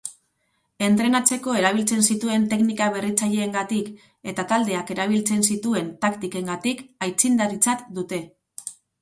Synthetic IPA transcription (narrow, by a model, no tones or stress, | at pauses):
e̞nt̪ɾe̞nat͡se̞ko̞e̞ɾaβ̞ilt͡se̞nsit̪ue̞nt̪e̞knikaβ̞e̞rit͡saʎe̞ːŋɡat̪ik | e̞t̪at̪ald̪e̞ake̞ɾaβ̞ilt͡se̞nsit̪ue̞nt̪akt̪ike̞ŋɡat̪ikajt͡sind̪aɾit͡sat̪d̪ut̪e̞